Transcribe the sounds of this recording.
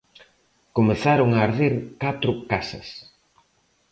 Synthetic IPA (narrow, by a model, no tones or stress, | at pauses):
komeθaɾʊŋaːɾðiɾkat̪ɾʊkasɐ̰s